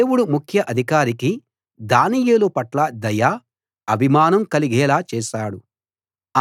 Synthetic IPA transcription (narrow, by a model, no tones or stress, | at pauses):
eːwuɽumukʰjɐʔɐd̪ʱikaːɾiki | d̪aːnijeːlupɐʈlɐd̪ɐjaː | ɐbʱimaːnɐmkɐliɡɛːlaːt͡ʃɛːʃaːɽu